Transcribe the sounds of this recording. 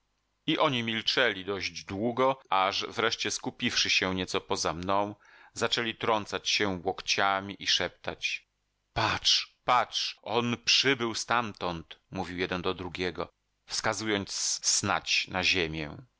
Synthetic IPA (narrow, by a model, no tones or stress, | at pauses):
iʔɔɲimʲilt͡ʂɛlʲid̪ɔʑd͡ʑd̪wuɡɔaʐvɾɛʂt͡ɕɛskupʲifʂɘɕɛɲɛt̪sɔpɔzamnɔ̃w̃ | zat͡ʂɛlʲit̪ɾɔnt̪sat͡ɕɕɛwɔkt͡ɕamʲiʔiʂɛp̚t̪a̰t͡ɕ | pat͡ʂpat͡ʂʔɔnpʂɘbɘwst̪amt̪ɔnt̪muvʲiwjɛd̪ɛnd̪ɔd̪ɾuɡʲɛɡɔ̰ | fskazujɔnt̪ssna̰t͡ɕnaʑemʲjɛ